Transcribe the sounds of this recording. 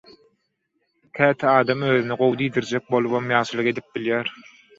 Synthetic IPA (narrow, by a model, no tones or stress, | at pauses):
kʰæːt̪ʰiɑːd̪ɑmøːðyniɢowd̪iːd̪iɾd͡ʒek̚bo̞lˠuβomjɑːʃɯlˠɯqe̞d̪ip̚biljæːɾ